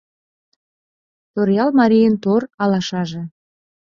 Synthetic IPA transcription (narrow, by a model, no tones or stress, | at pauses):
t̪oɾjɑlmɑɾʲijənt̪oɾɑlɑʃɑʒĕ